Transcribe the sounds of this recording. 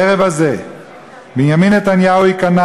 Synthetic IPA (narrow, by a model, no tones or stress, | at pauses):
eʁevaze | binjaminet̪anjauikana